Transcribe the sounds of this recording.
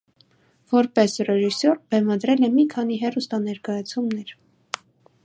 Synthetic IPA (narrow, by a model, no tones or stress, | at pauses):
vɔɾpɛsrɛʒisɔɾbɛmɑd̪ɾɛlɛmikʰɑniɦɛrust̪ɑnɛɾkɑjɑt͡sʰumnɛɾ